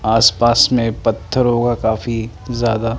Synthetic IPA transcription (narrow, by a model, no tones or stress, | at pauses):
aːspaːsmẽpɐt̪ʰːəɾɦoːɡakaːfi | zjaːd̪a